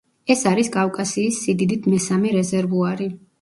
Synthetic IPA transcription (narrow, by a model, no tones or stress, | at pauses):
ɛsaɾiskʼafkʼasiːsːid̪id̪it̪ʰmɛsamɛɾɛzɛɾvuaɾi